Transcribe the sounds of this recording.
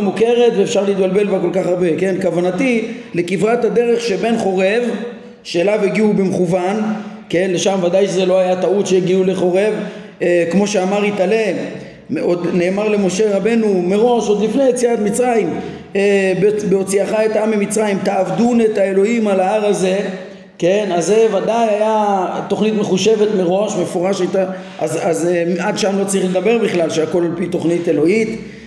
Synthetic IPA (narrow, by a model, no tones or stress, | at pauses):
mukeʁe̞t̪veːfʃaʁleiːt̪̚balbe̞lvako̞lkaχaʁbe̞ke̞nkavanatile̞kivʁat̪had̪e̞ʁe̞χʃe̞be̞nχo̞ʁe̞v | ʃeːlaviɡiubemeχuvanke̞nle̞ʃamvad̪ajʃezelo̞ajat̪aut̪ʃeiɡiule̞χo̞ʁe̞v | kmo̞ʃeamaʁit̪ale̞ | od̪ne̞ːmaʁle̞mo̞ʃe̞ʁabe̞numeʁo̞ʃo̞d̪lifnejet͡siat̪mit͡sʁaim | bbeo̞t͡siaχaet̪aamamit͡sʁaimt̪aːvdunetaelo̞imalaaʁaze̞ | ke̞nazːevadajajat̪o̞χnit̪me̞χuʃe̞ve̞tmeʁo̞ʃme̞fo̞ʁaʃat̪a | azazeadʃamlo̞t͡saʁiχled̪abe̞ʁbiχlalʃeako̞lalpit̪o̞χnite̞lo̞it̪